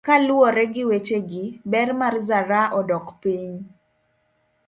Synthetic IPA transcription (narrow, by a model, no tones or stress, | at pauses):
kalʊɔɾɛɡɪwet͡ʃeɡɪbɛrmarzaɾaʔɔdɔkpiɲ